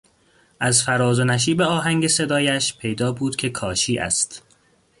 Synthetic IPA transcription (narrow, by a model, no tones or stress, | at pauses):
ʔæzfæɾɒːzonæʃ̬iːbeɒːɦæŋɟe̞se̞d̪ɒːjæʃpʰe̞jd̪ɒːbuːd̪̥kcʰe̞kʰɒːʃiːʔæ̰st̪